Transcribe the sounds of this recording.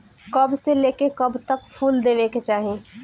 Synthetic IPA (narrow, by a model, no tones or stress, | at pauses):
kɐbseleːkekɐbt̪ɐkpʰuːld̪eːʋeːket͡ʃaːɦẽː